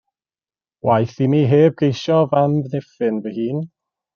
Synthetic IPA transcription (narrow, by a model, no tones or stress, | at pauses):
wajθimiɦeːb̚ɡejʃɔvamvnɛfɨnvəhiːn